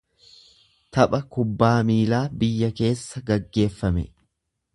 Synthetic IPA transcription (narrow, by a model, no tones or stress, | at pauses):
t̪ɐpʼɐkʊbːaːmiːlaːbɪjːɐke̞ːsːɐɡɐɡːe̞ːfːɐmɛ̰